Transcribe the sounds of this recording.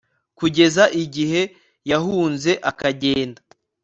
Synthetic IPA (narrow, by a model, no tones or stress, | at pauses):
kuɟe̞zaʔiɟihe̞ | jahuːnze̞ʔakaɟe̞ːnda